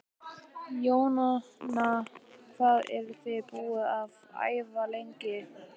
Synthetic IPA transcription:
joːwnanakaðɛ̰ɾθɪpuːɪav | a̰jvalejɲcɪ

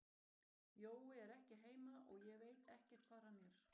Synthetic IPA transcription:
joːwɪɛɾɛhcɪɦeːjmaʔɔɣjɛɣveːjt̪ɛhcɛ̥t̪̚kʰvaðɾhanːjɛɾ̥

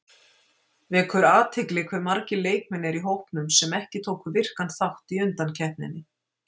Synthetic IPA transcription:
vɪkʰɛɾaːt̪ʰɪklɪkʰvɛɾmaɾcɪleːjk̚mɛnɛɾiɦowhpnʏmsɛmɛhcɪt̪ʰowkʏvɪr̥kanθawht̪iʏnt̪ancʰɛhp̪nɪ̰nːɪ

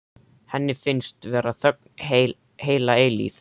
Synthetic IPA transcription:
hɛnːɪfɪnst̪vɛːɾaθœk̚ne | heːjlaelḭːf

